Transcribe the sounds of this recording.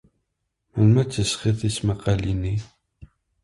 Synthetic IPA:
məlmæt͡sːəsχiθismæqɑlini

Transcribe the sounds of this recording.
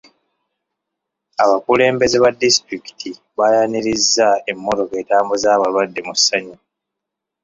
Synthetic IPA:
aβakule̞ːmbe̞ze̞βadːistɾiki̥tʰi | βajaniɾizːae̞mːo̞to̞ke̞ːtaːmbozaːβalwadːemusːaɲa

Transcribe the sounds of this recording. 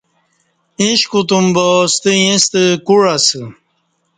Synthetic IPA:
ĩɕkut̪umbost̪ijĩst̪əkuɻasə

